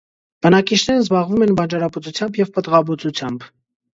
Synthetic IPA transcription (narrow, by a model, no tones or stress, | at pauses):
b̥ənɑkit͡ʃʰnɛɾənzbɑʁvumɛnbɑnd͡ʒɑɾɑpət͡sut͡sʰjɑmbjɛvpət̪ʁɑbut͡sut͡sʰjɑmb